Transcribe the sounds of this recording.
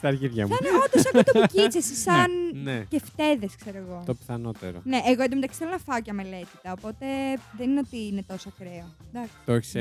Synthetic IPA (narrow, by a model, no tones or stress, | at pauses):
t̪ɐɾʝiðʝɐ̰mneod̪osɐkot̪opucit͡sesisɐnneceft̪e̞ðeskse̞ɾoeɣo̞t̪opiθɐno̞t̪ḛɾo̰neʔeɣoend̪omet̪ɐksi̥θelonɐfɐocɐme̞le̞t̪i̥t̪ɐopo̞t̪e̞ðenineot̪iinet̪o̞sɐkɾeod̪ɐkst̪oeçi̥se